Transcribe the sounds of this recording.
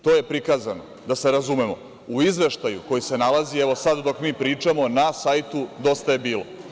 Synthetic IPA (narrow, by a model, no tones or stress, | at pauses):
t̪o̞ːje̞pɾikaːzano | d̪ase̞ɾazume̞mo̞̰ | uizʋe̞ʃt̪ajuko̞jise̞nalazieʋo̞sad̪d̪o̞kmiːpɾiːt͡ʂamo̞nasajt̪ud̪o̞st̪aje̞biːlo̰